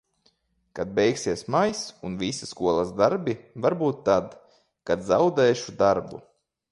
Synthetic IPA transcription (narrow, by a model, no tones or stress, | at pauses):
kad̪̚bʲɛjksiɛsmajsunvisiskuɔlˠazd̪aɾbʲivaɾbuːt̪ːad̪ | kad̪zawd̪ɛːʃud̪aɾbṵ